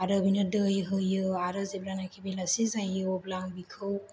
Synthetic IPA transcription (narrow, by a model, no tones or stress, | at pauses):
aɾɯbʱinɯdɯjɦɯjɯaɾɯzebɾanakʰibelasizajɯoblaŋbikʰɯw